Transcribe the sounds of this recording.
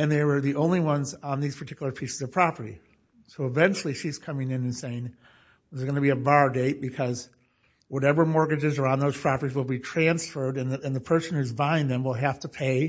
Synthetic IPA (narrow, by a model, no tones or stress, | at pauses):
ɨ̃nðəwə˞ðiʔõʊ̃nliwʌ̃nzn̩ðiz̥pʰə˞tʰɪ̥kjl̩ˠə˞pʰisɨzʌv̥pʰɹ̥ɑpə˞ɾḭ | soʊəvɛ̃nt͡ʃl̩ˠiʃiz̥kʰʌmɪ̃ŋɨ̃nɨ̃nseɪɪ̃ŋ | zɡʌnɨbiɨbɑɹdeɪt̚b̥ɨkʰʌz | wʌɾɛvə˞mɔɹɡɨd͡ʒɨzə˞ãʊ̃nðoʊz̥pʰɹ̥ɑpə˞ɾizwəlˠbitʰɹ̥æ̃nsfɜ˞dɨ̃nɨ̃nðəpʰɜ˞sn̩hʉzbãɪɪ̃nðɨ̃mwəlˠɦæftəpʰeɪ